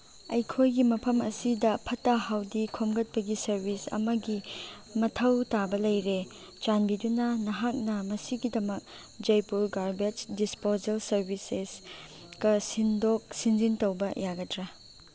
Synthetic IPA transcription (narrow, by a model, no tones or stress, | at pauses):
ɐjkʰojɡimɐpʰɐmɐ̰sidɐpʰɐtːɐhawdikʰomɡɐt̚pɐɡisɐɾbisɐ̰mɐɡi | mɐtʰɐwtabɐlɐjɾe | t͡ʃanbidunɐnɐɦak̚nɐmɐsiɡidɐmɐk̚ | d͡ʒɐjpuɾɡaɾbed͡ʒdispozelsɐɾbises | kɐsindok̚sind͡ʒiŋtɐwbɐjaɡɐdɾɐ